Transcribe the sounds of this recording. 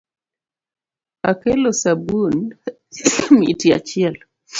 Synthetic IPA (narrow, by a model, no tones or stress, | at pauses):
akelosabun | mḭtia̰t͡ʃɪɛl